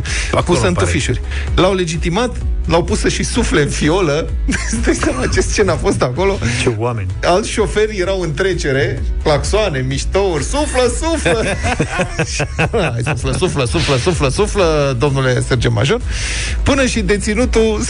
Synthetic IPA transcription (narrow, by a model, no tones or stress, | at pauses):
pusəɨnufiʃurʲ | lawle̞d͡ʒit̪imat̪lawpusəʃisufle̞ɨnfio̞ləd̪esamat͡ʃe̞st̪̚t͡ʃe̞nafo̞st̪ako̞lo̞t͡ʃeamenalt̪sʲʃo̞fe̞rʲje̞ɾawɨnt̪ɾe̞t͡ʃe̞ɾe̞klaksoane̞miʃt̪ourʲsufləsuflə | ʃasufləsufləsufləsufləsufləd̪o̞mnule̞se̞rd͡ʒema̰ʒo̞r | pɨnəʃid̪e̞t̪sinut̪u